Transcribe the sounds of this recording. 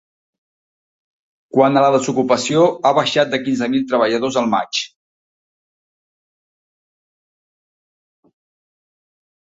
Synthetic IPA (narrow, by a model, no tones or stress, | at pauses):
kwanələðəzukupəsioaβəʃat̪̚d̪əkinzəmilˠt̪ɾəβəʎəðozəlˠma̰t͡ʃ